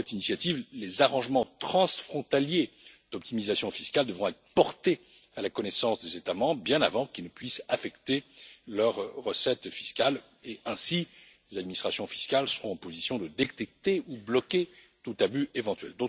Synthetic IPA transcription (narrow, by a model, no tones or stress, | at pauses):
ɛt̪inisjat̪ivlezaʁɑ̃ʒmɑ̃t̪χɑ̃sfχɔ̃t̪aljed̪̥ɔp̚t̪imizasjɔ̃fiskʲald̪əvʁɔ̃ɛt̪χəpɔʁt̪e | alakɔnɛsɑ̃sd̪ezet̪amɑ̃bʁəbjɛ̃na̰vɑ̃kilnəpɥisafɛkt̪elœʁːəsɛt̪fi̥skʲal | eɛ̃si | lezad̪̚minist̪χasjɔ̃fi̥skalsəʁɔ̃ɑ̃pozisjɔ̃d̪əd̪et̪ɛk̚t̪eublɔkʲe | t̪ut̪abyʔevɑ̃t̪ɥɛ̰ld̪õ